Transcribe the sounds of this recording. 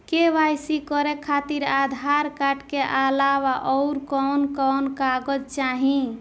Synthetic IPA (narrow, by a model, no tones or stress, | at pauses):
keʋajsikɔɾekʰat̪iɾad̪ʱaɾkaʈkeʔalaʋaʔɔʊɾkɔnkɔwnkaɡəd͡ʒt͡ʃaɦĩ